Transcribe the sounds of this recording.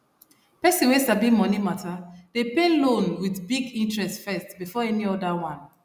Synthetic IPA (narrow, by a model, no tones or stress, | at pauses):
pɛsĩwesabĩmɔnimatad̥epelõnwidbiɡĩntɹɛstfɛstbifɔɛniɔdawãn